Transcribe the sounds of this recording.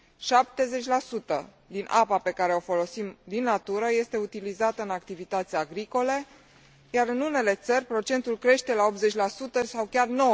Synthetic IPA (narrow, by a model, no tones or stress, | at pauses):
ʃap̚t̪e̞ze̞t͡ʃʲlasut̪ə̰ | d̪inʔapape̞kaɾe̞o̞fo̞lo̞simd̪inːat̪uɾəje̞st̪e̞ut̪ilizat̪əɨnakt̪ivit̪at̪sʲaɡɾiko̞le̞ | jaɾɨnune̞le̞t̪sərʲpɾo̞t͡ʃe̞nt̪ulkɾe̞ʃt̪e̞lao̞pze̞t͡ʃʲlasut̪əsawkʲarno̞w